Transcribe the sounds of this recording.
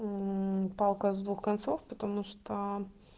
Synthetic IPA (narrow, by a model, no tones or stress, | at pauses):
pɑlˠkɐzd̪vuxkɐnt̪sɔfpət̪ɐmuʂt̪o